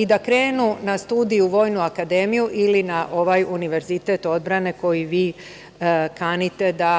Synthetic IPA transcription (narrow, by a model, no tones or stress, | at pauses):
id̪akɾe̞ːnunast̪uːd̪iuʋo̞ːjnuakad̪e̞ːmijuʔilinaʔo̞ʋajuniʋe̞ɾzit̪et̪o̞d̪̚bɾane̞ko̞jiʋiː | kanit̪e̞d̪a